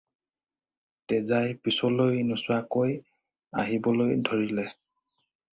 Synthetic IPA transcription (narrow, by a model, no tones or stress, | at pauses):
tɛzajpisɔlojnusʊwakoj | a̰ɦibɔlojdʱoɹilɛ